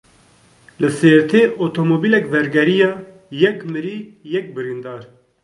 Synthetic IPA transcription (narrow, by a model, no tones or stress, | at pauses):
lɨseːɾt̪ʰeːʔot̪ʰomoːbiːlɛkvɛɾɡɛɾijɑː | jɛkmɨɾiːjɛk̚bɨɾind̪ɑːɾ